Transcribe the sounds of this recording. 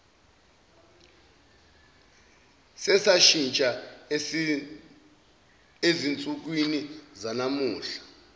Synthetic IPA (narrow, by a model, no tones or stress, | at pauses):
sɛsaʃint͡ʃʼa | ezint͡sʼuk̬winizanamuːɬḁ